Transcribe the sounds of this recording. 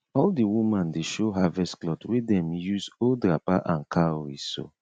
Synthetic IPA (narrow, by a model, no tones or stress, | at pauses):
ɔldiwumãndeʃoɦavɛsklɔtwedɛ̃mjuzodɹapaʔãnkʰaɹiso̰